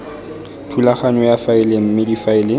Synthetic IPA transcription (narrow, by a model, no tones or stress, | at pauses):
tʰulaχanɔjafaɪlem̩mɪdifaɪlɪ